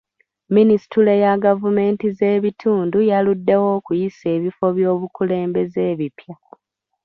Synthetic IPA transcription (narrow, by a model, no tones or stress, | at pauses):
minisi̥tule̞jaɡavume̞ːntize̞ːβitʰuːndujaludːe̞wo̞ːkujise̞ːβifo̞βjo̞ːβukule̞ːmbe̞zeːβipja